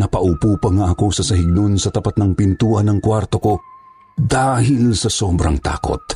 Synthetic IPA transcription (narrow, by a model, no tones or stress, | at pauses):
nɐpɐʔupuːpɐŋaʔɐko̞sɐsɐɦɪɡ̚nonsɐt̪ɐpat̪̚nɐŋpɪnt̪uːʔɐnːɐŋkwaɾt̪oko̞ | d̪aːɦɪlsɐsoːbɾɐŋt̪a̰ːko̰t̪̚